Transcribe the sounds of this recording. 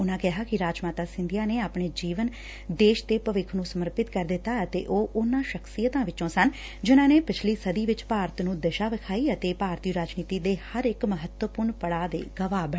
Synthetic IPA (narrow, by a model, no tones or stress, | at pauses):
ʊnãːkɛɦaːkɪɾaːd͡ʒmaːt̪aːsɪ̃nd̪ijaːneːaːpɳ̃eːd͡ʒiːʋən | d̪eːʃd̪eːpəʋɪkʰnũːsəməɾpɪt̪kəɾd̪ɪt̪ːaːət̪ḛːʔoːʔʊnãːʃəkʰsijət̪ãːʋɪt͡ʃõːsən | d͡ʒɪnãːneːpɪt͡ʃʰliːsəd̪iːʋɪt͡ʃpaːɾt̪nũːd̪əʃaːʋɪkʰaːiːət̪eːpaːɾt̪iɾaːd͡ʒniːt̪iːd̪eːhəɾɪkməɦət̪wəpʊɾɳpəɽaːd̪ḛːɡəʋaːbə